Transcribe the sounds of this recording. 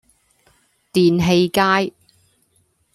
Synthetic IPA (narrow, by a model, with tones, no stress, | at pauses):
t̪iː˨nɦe˧jkaː˥j